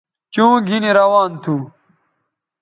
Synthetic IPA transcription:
t͡ɕũːɡʱiniɾɐwaːnt̪ʰuː

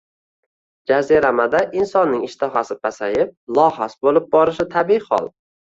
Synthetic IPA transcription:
d͡ʒazeɾamad̪aʔɪnsɒnːɪŋɪʃt̪ʰɪɦasɪpʰasajɪp̚lˠɒɦasbolɪp̚bɒɾɪʃɪt̪ʰabiɪχɒ̰lˠ

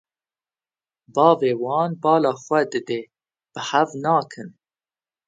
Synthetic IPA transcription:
bɑːveːwɑːnbɑːlɑːxʷɛd̪ɨd̪eː | b̥ɨhævnɑːkʰɨn

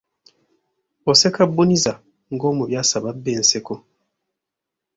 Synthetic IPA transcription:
osekabːuniza | ŋɡo̞ːmuβjaːsaβabːe̞ːnse̞ko

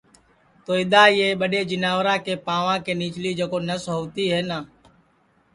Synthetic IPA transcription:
t̪oːɪd̪aːjeːɓəɗeːd͡ʒɪnaːʋɾãːkeːpãːʋãːkeːniːt͡ʃliːd͡ʒəkoːnəsɦoːʋt̪iːɦɛːnaː

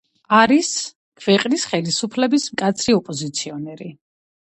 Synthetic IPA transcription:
aɾis | kʰvɛqʼnisχɛlisupʰlɛbismkʼat̪sʰɾiɔpʼɔzit̪sʰiɔnɛɾi

